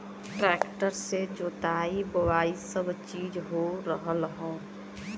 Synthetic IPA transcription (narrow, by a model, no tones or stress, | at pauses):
ʈɾɛkʈəɾsed͡ʒoːt̪aːibəwaːisəbt͡ʃiːd͡ʒɦoɾəɦəlɦõ